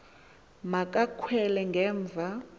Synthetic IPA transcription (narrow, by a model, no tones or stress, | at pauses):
makʼakʰwɛlɛŋɡʱɛːɱb̪vʱa